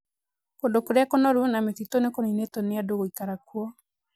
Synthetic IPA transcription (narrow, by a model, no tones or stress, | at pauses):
kondokoɾeakɔnɔɾunameθitonekoɾinetɔneadoɣoikaɾakuɔ